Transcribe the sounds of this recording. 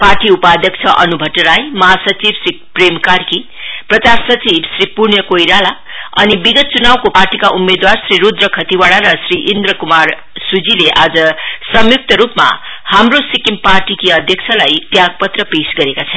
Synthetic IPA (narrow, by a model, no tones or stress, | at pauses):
parʈiupad̪jʌk̚t͡sʰʌʔʌ̰nubʱʌʈːɾajmʌɦasʌt͡sibsri | premkarki | prʌt͡sarsʌt͡sibsripurnjʌkojɾala | ʌnibiɡʌt̪̚t͡sunawkoparʈikaʔumːed̪warsriɾud̪rʌkʰʌt̪iwaɽaɾʌsriʔind̪rʌkumar | sud͡zileʔad͡zʌsʌmjuk̚t̪ʌɾupma̰ | hamrosikimparʈikiʌd̪ʱjʌk̚t͡sʰʌlajt̪jaɡ̚pʌt̪rʌpesɡʌɾekat͡sʰʌn